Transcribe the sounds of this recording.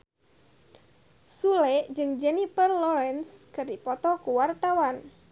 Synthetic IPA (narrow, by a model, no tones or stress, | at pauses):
sulɛd͡ʒɨŋd͡ʒɛnipərlɔɾɛnskɨrdipɔt̪ɔkuwart̪awan